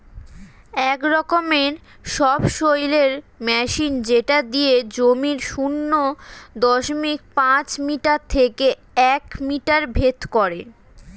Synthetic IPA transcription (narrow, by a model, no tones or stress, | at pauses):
ɛkɾɔkomeɾ | ʃɔbʃojleɾ | mɛʃind͡ʑeʈad̪ijed͡ʑomiɾʃunːod̪ɔʃomik̚pãt͡ɕmiʈaɾt̪ʰeke | ɛkmiʈaɾbʱet̪koɾe